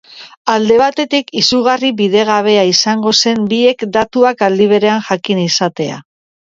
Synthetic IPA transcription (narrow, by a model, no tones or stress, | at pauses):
ald̪e̞βat̪e̞t̪ikisuɣ̞ariβiðe̞ɣ̞aβ̞e̞aisaŋɡo̞se̞mbie̞kd̪at̪uakald̪iβ̞e̞ɾe̞anʝakinisat̪e̞a̰